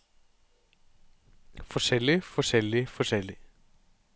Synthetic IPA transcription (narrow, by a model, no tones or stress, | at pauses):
fɔ̥sɛlːɪfɔ̥ʃɛlːɪfɔsɛlɪ